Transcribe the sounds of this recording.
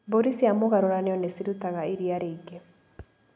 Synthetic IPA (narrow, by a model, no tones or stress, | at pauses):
boɾisiamoɣaɾoɾaneɔnesiɾut̪aɣaiɾiaɾeiɡe